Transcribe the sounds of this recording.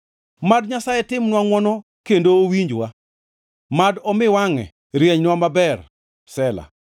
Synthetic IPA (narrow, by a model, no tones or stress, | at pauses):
madɲasajɛtɪmnwaŋwɔnɔ | kendoːwiɲd͡ʒwa | madɔmɪwaŋɛ̰ | ɾjeɲnwamabɛr | sɛla̰